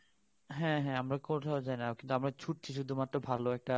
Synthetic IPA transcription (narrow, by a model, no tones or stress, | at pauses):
ɦɛ̃ɦɛ̃amɾakoʈ̪ʰaod͡ʑajnakint̪uamɾat͡ɕʰuʈ̚t͡ɕʰiʃ̬ud̪ʱumat̪ːɾobʱaloɛk̚ʈa